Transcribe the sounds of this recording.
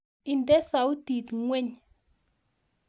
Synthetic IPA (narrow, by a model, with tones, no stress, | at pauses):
i˨ndɛ˦sa˨wu˦ti˨tŋwɛ˦ɲ